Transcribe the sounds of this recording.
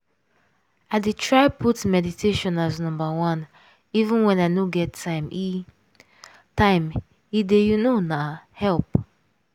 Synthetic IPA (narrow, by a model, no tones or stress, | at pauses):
aɪdetʰɹaɪpʰutmɛditʰeʃɔ̃naznɔ̃mbawãn | ivũnwɛ̃naɪnoɡɛtʰːãɪ̃mi | tãɪ̃m | idejunonahɛlp